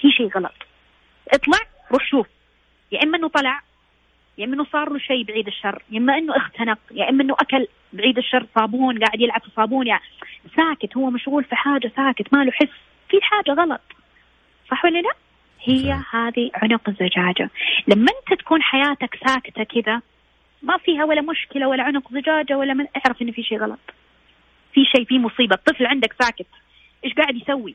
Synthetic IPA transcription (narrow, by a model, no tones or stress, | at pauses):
fiːʃeːɣɑlɑ̰t̪ˤ | ʔɨt̪ˤlɑʕ | ɾˤuːħʃuːf | jaʔɪmːaʔɪnːut̪ˤɑlɑʕ | jaʔɪmːʔɪnːusˤɑːɾˤluʃeːbʕiːd̪ɪʃːɑrˤːjʔɪmːaʔɪnːuʔɪxt̪ʰanɪq̚jaʔɪmːʔɪnːuʔakal | bʕiːd̪ɪʃːɑrˤːsˤɑːbuːnɡaːʕɪd̪jɪlʕabsˤɑːbuːnjasaːkɪt̪hʊwːamaʃɣuːlfiħaːd͡ʒasaːkɪt̪maːluħɪsː | fiħaːd͡ʒaɣɑlɑ̰t̪ˤ | sˤɑħwalːalaʔ | hɪjːahaːðiʕʊnʊqɪzːad͡ʒaːd͡ʒa̰lamːaʔɪnt̪at̪ḁkuːnħajaːt̪aksaːkɪ̥t̪akɪða | mafiːɦawalːamʊʃkɪlawalːaʕʊnʊqzad͡ʒaːd͡ʒawalːamɪʔaʕɾafʔɪnːfiːʃeːɣɑlɑ̰t̪ˤ | fiʃeːfiːmʊsˤiːbat̪ˤːɨflʕɪnd̪aksaːkɪt̪ | ʔeːʃɡaːʕɪd̪jsawːi